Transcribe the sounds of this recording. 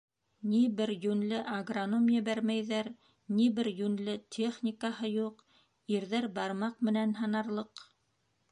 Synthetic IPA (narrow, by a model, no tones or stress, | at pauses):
nibɘɾjʉnlɘʔɐɡronomjɘ̆bæɾmæjðæɾ | nibɘɾjʉnlɘt̪ʲʰeχnʲikahɤjuq | iɾðæɾbɑɾmɑqmɘ̆nænɦɑ̆nɑɾlˠɤq